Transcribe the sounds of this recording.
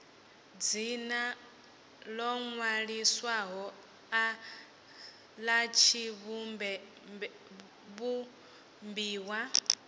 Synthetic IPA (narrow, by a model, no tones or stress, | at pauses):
d͡zina | lɔŋwaɺiswaɦɔ | a | lat͡ʃʰiβumbɛ | βu | mbiːwa